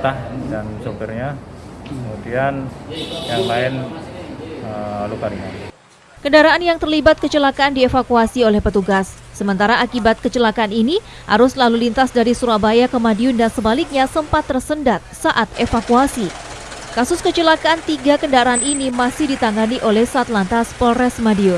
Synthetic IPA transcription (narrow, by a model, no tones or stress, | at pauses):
t̪ahdansopirɲa | mut̪ianjaŋlaɪn | əlukaɾiŋa | kəndaɾaanjaŋt̪ərlibat̪̚kət͡ʃəlakaːndiefakuasiolɛhpət̪uɡasː | əmənt̪aɾaʔakibat̪̚kət͡ʃəlakaanini | ha̰ɾʊslalulint̪asdaɾisuɾabajakəmadiʊndansəbalɪk̚ɲasəmpat̪ːərsəndat̪̚saʔat̪efakuasi | kasʊskət͡ʃəlakaant̪iɡakəndaɾaaninimasɪhdit̪aŋɡaniʔolɛhsat̪lant̪aspɔlɛsmadiʊn